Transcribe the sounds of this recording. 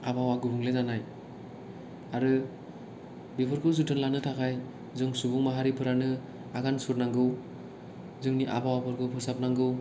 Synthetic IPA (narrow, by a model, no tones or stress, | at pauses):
abawaɡɯbuŋlezanaj | aɾɯ | bipʰɯɾkʰɯsutʰɯnlanɯtʰakʰaj | zɯŋsubuŋmaɦaɾipʰɯɾanɯ | aɡansuɾnaŋɡɯw | zɯŋniʔa̰bawapʰɯɾkʰɯpʰɯsap̚naŋɡɯw